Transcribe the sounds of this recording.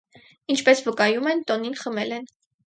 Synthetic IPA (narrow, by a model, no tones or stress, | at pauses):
int͡ʃʰpɛsvəkɑjumɛnt̪ɔninχəmɛlɛn